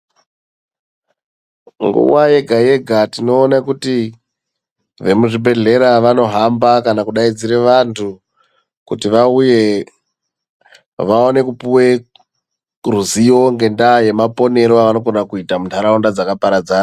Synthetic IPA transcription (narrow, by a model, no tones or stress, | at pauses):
ŋɡṵwaje̞ɡʱaje̞ɡʱatino̞ːnakuti | ʋe̞muʐibʱe̞ɮe̞ɾaʋano̞ɦambakanakuɗaid͡ziɾe̞ʋantʰu | kutiʋauje̞ | ʋaone̞kupuwe | ruzijo̞ŋɡe̞ndaje̞mapo̞ne̞ɾoaʋano̞ɡo̞nakuitamuntʰaɾaundad͡zakapaɾad͡zaːna